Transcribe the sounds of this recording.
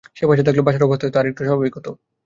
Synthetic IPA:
ʃebɔd͡ʑat̪̬eɡlobaʃʰaɾobʱot̪oet̪oaɾek̚ʈuʃɔbʱabikɔt̪o

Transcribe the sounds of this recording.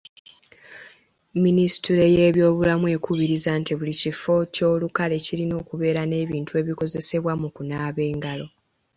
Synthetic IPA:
ministiɾe̞je̞ːβjo̞ːβulamwe̞ːkuβiɾizaːntiβulicifo̞co̞ːlukale̞cilino̞ːkuβe̞ːɾane̞ːβiːntue̞ːβiko̞ze̞se̞βwamukunaːβe̞ːŋɡalo̞

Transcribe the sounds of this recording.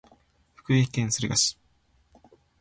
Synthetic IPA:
ɸɯ̥kɯ̟ekẽ̞ɰ̃sɨɾɯ̟ɡasi̥ɨ̥

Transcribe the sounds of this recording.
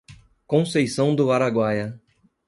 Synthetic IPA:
kõsejsɐ̃w̃d̪ʊaɾaɡwajɐ

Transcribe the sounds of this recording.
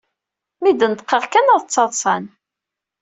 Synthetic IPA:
mid̪ənət̪qːəʁkænəðˤt͡sːɑðˤsˤɑn

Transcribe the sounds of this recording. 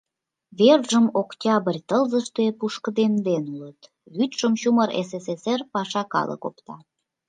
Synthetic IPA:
βerʒəmokt̪ʲɑbərʲt̪əlzəʃt̪epuʃkəd̪end̪enulət̪ | βyt̪ʃəmɕuməɾḛs̬eseserpɑʃɑkɑ̰lə̰ko̰pt̪ɑ̰

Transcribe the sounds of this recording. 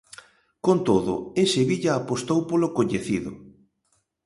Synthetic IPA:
kont̪oðʊ̰eseβiʎaːpost̪owpolokoɲeθiðʊ̰

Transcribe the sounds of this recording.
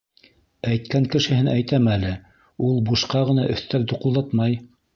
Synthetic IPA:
æjt̪̚kæŋkɘ̆ʃɘ̆hɘnæjt̪æmælɘ | ulˠbuʃqɑʁɤ̆nɑʔɵ̆θt̪æld̪uqŭlˠd̪ɑt̪mɑj

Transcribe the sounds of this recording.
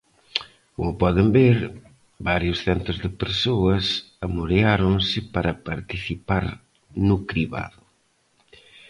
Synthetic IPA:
kʊpɔðembeɾ | baɾjʊsθɛnt̪ʊzðɪpeɾsoɐs | ɐmuɾeaɾoŋsɪpaɾɐpaɾt̪iθipaɾ | nʊkɾiβa̰ðʊ

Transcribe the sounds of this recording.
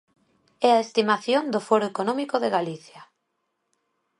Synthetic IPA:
ɛaest̪imaθjond̪ofɔɾoekonõmikoðeɣaliθja

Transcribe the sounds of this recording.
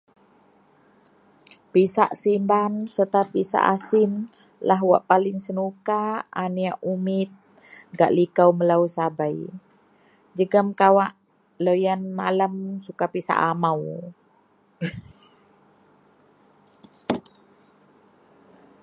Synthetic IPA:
pisa̰ʔsimbansət̪ap̚ːisa̰ʔasin | laɦwa̰ʔpalɪŋsənukaaniaʔumɪt̪̚ | ɡa̰ʔlikawməlauwsabaj | d͡ʒəɡəmkawaʔ | lojanmalamsukapisa̰ʔamaw

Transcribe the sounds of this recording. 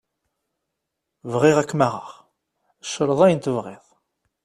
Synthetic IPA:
vʁɪʁækːmaʁə̰ʁ | əʃːəɾˤəðˤæjənt̪əvʁḛðˤ

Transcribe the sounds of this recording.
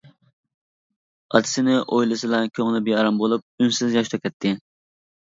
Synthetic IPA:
ɑt̪ʰɪ̥sɪnɪʔojlˠɨsɨlɛkʲʰøŋlˠɪbeɑɾɑmbolˠup̚ynsɪzjɑʃt̪ʰɑkʲʰɛt̪ʰːɪ

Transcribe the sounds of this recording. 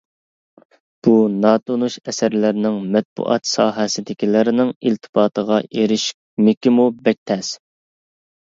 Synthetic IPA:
b̥unɑːt̪ʰonuʃɛsæɾlɪɾɪnɪŋmɛt̪̚bṵʔɑ̰t̪sɑːɦɛsɪd̪ɪkʲilɪɾɪnɪŋilt̪ʰɨ̥pɑːt̪ʰəʁɑʔeɾɪʃk̚ʲ | mɪkʲʰimubɛk̚ʲt̪ʰɛs

